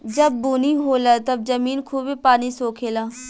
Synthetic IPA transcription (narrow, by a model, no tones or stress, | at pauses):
d͡ʒəbːuːniːɦoːlaːt̪əb̚d͡ʒəmiːnkʰuːbepaːniːsoːkʰeːlaː